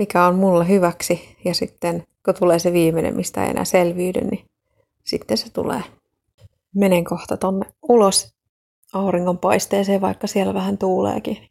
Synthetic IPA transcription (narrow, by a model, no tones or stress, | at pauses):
mikæommulːehyʋæksijɑsit̪ːenkot̪uleːseʋiːmenḛmmʔist̪æḛḛnæ̰ːselʋiːdy̰nni | sit̪ːenset̪ṵlḛː | meneŋkoht̪ɑt̪onːeulos | ɑuriŋːompɑist̪eːseːʋʋɑikːɑsielʋæhænt̪uːlḛːkin